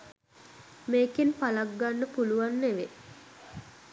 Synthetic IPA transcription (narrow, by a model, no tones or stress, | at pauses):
meːkinpalaɡːanːəpuluʋanːeʋe